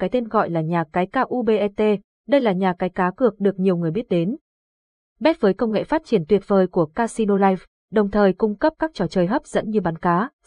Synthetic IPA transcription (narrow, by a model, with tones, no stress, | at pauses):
kaː˨˦jt̪e˧nɣɔ̰˧˨jlaː˨˩ɲaː˨˩kaː˨˦jkaː˧ʔu˧ɓe˧ʔɛ˧t̪e˧ | ɗə˧jlaː˨˩ɲaː˨˩kaː˨˦jkaː˨˦kɨ˨˩ək̚ɗɨ˨˩ək̚ɲi˨˩əwŋɨ˨˩jɓi˦˥t̚ɗe˨˦n | ɓɛ˦˥t̚vəː˨˦jkə˧wŋ͡mŋḛ˧˨faː˦˥t̚t͡ɕi˧˩ənt̪wi˨˩ət̚vəː˨˩jku˧˩əkaː˧si˧no˧la˧jv | ɗə˨˩wŋ͡mt̪ʰəː˨˩jkʊ˧ŋ͡mkə˦˥p̚kaː˦˥k̚t͡ɕɔ˧˩t͡ɕəː˨˩jɦə˦˥p̚z̥ə̰˧˥nɲɨ˧ɓaː˨˦nkaː˨˦